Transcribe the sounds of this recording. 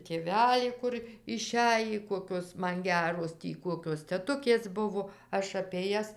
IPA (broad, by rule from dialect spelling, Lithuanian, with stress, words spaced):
tʲeːˈʋʲæːlʲiː ˈkʊr ɪˈʃʲæjiː ˈkoːkʲoːs ˈmɐn ˈɡʲæːroːs ˈtʲiː ˈkuɔkʲoːs tʲɛˈtʊkʲeːs ˈbʊʋoː ˈɐʃ ɐpʲeː ˈjɛs